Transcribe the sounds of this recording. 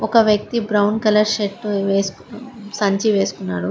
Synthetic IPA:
ɔkɐʋjɐk̚t̪ibɾɐwnkɐlɐɾʃeʈːʋeːs | sɐɲt͡ʃiʋeːsu̥kunːaːɽu

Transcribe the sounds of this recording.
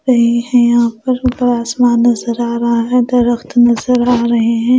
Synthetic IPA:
ɾɐɦehɛ̃jɐɦãpɐɾbɐɽaːsmaːnɐzəɾaːɾɐɦaɦɛ̃d̪ɐɾəxt̪nɐzəɾaːɾɐɦeɦɛ̃ː

